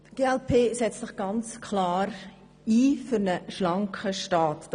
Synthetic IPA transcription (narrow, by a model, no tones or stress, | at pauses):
ɡ̥eːɛlpʰeːsɛt͡stsɪχɡ̥ɑnt͡skʰlɑːɾ | iːfʏɾnəʃlɑŋkχəʃtɑːtd̥